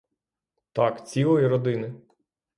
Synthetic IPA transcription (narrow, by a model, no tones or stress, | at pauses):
t̪ɑkt͡sʲilˠɔjiɾɔd̪ɪnɪ